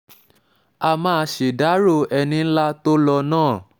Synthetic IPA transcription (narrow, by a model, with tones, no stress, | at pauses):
a˧mã˦˧ʃe˨da˨˦ɾo˦˨ɛ˧nĩ˧n̩˦la˦to˦lɔ˧nãː˦˨